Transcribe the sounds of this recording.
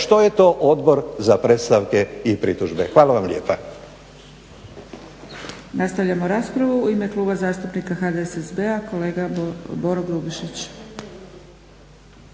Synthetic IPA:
ʃt̪ojet̪o̞ːʔod̪bo̞ɾzapɾe̞t̪st̪aʋke̞ipɾḭt̪uʒbexʋaːlaʋamlʲʎjeːpa | nast̪aʋʎamo̞ɾaːspɾaʋuuime̞klˠuːbazaːst̪upnikaxad̪esesbeako̞leːɡabo̞ɾoɡɾubiʃit͡ɕ

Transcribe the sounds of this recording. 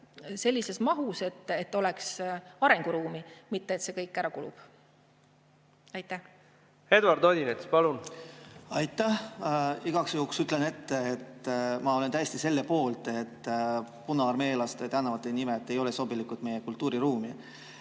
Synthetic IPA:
se̞lʲːise̞smɑɦuse̞t̪ːˑet̪ːˑo̞lɛksɑɾe̞ŋɡ̥uɾuːmimit̪ːeːt̪se̞kɤjkːˑæɾɑkulṵb̥ | ɑjt̪ːæh | he̞d̪vɑɾd̪od̪inet̪spɑlun | ɑjt̪ːˑæhiɡ̥ɑksjuːksyt̪ːˑlene̞t̪ːeːt̪mɑo̞let̪æjest̪ise̞lːepo̞ːlt̪et̪ːpunɑɑrme̞ːlɑst̪et̪ænːɑvɑt̪ˑːenimeet̪ːe̞jo̞leso̞bilikut̪me̞jekult̪ːˑuːɾiɾuːmi

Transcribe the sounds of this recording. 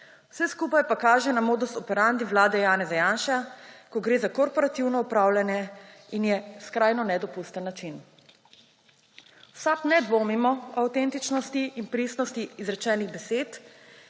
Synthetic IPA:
w̥sɛskupajpakaːʒɛnamoːd̪ust̪ɔpɛɾand̪iʋlaːd̪ɛjaːnɛzajanʃakɔɡɾeːzakɔɾpɔɾat̪iwnɔɔpɾaːwlʲjanjɛ | injɛskɾajnɔnɛd̪ɔpust̪ənːat͡ʃin | wsaːknɛd̪ʋoːmimɔawt̪ɛnt̪it͡ʃnɔst̪iːnpɾisnɔst̪iːzɾɛt͡ʃɛːniɣbɛseːt̪

